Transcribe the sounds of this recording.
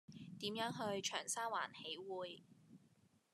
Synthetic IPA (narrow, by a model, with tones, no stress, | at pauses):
t̪iː˨˥mjœː˨˥ŋɦɵ˧ɥt͡ʃʰœː˨˩ŋsaː˥wa̰ː˨˩nhe˨˥jwuː˨˧j